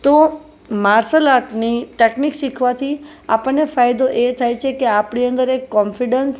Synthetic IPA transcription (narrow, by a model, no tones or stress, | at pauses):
t̪o | maɾsəlaʈniʈeknikʃikʰʋat̪ʰi | a̰pəɳːefajd̪oʔet̪ʰajt͡ʃʰekeapɳiənd̪əɾekːɔnfiɖəns